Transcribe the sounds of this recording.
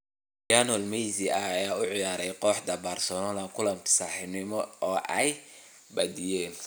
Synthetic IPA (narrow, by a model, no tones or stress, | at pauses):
jaːnɔlmɛjziɐɐjaːʊʕɪjaːɾɛjqɔːħd̪ɐbɐrsɔnalɐŋkʰʊlɐmt̪ʰsaħɪnɪmɔɔːʔɛj | bɐd̪ijɛːn